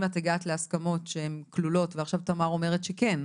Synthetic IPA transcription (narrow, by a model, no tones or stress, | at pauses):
mateɡaːt̪leaskamo̞tʃee̞mklulo̞tveaχʃavt̪amaʁo̞me̞ʁet̪ʃeken